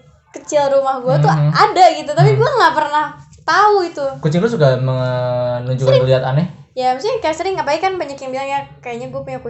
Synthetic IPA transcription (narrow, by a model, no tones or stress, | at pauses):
kət͡ʃɪlrumahɡuat̪uadaɡit̪ut̪apiɡuaŋaʔpərnah | t̪auɡit̪ukut͡ʃɪŋlusuɡamənuɲd͡ʒukːnliɦat̪anɛjaməst̪ikajasəɾɪŋːapaikanbaɲakjaŋbilaŋjakajaɲaɡuapuɲaku